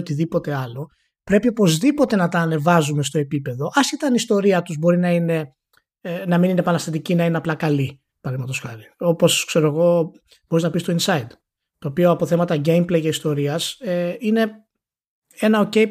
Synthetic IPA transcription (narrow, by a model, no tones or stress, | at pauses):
ot̪iðipo̞t̪e̞ɐlo̞ | pɾe̞piopo̞zðipo̞t̪e̞nɐt̪ɐːne̞vɐzume̞st̪o̞e̞pipe̞ðo̞ʔɐsçet̪ɐnist̪o̞ɾiɐt̪uzbo̞ɾinɐine̞ | nɐmininepɐnɐst̪ɐt̪icinɐineɐplɐkɐli | pɐðimɐt̪osxɐɾio̞po̞skse̞ɾoeɣo̞ | b̥o̞ɾiznɐpist̪o̞insɐid̪ | t̪o̞ːpio̞ɐpo̞θe̞mɐt̪ɐɟe̞jmplejʝɐist̪o̞ɾiɐseine̞ | e̞nɐo̞ce̞j